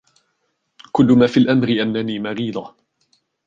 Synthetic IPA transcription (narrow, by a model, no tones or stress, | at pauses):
kʊlːʊmaːfiːlʔamɾɪʔanːaniːmaɾiːd̪ˤɑ